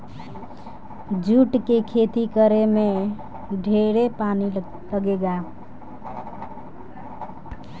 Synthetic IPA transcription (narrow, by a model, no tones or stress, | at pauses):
d͡ʒuʈkekʰet̪ikəɾeme | ɖʱeɾepani | ləɡeɡa